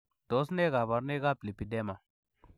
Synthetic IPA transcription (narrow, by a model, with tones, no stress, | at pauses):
d̥o˨˦sne˦ɡa˨ba˨ɾne˦ɡa˦pli˨pi˨de˦ma˨